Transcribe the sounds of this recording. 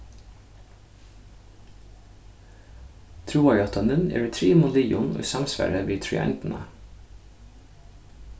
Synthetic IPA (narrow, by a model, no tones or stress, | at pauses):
t̪ʰɾuːɑjɑt̪ɑnʉnḛːɹɛt̪ʰɾiːmʊliːʊno̰ːsɑmsʋæ̰ɹəʋiːt̪ʰɹʏ̰æ̰nt̪n̩ʔə̰